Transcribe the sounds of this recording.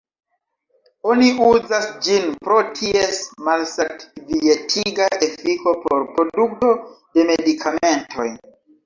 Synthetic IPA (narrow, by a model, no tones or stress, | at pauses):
o̞niuzasd͡ʒinpɾo̞tʰiesmalsatvietʰiɡaʔe̞fiko̞po̞̰ɾpɾo̞duk̚to̞ | d̥e̞me̞dikʰame̞ntʰo̞̰j